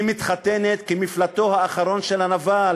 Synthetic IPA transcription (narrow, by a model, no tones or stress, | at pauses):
mit̪χat̪enet̪kimiflat̪o̞haːχaɾo̞nʃelanava